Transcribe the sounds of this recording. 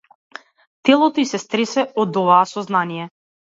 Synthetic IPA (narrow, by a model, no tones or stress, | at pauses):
t̪ɛlˠɔt̪ɔisɛst̪ɾɛsɛɔd̪ɔvaːsɔznanijɛ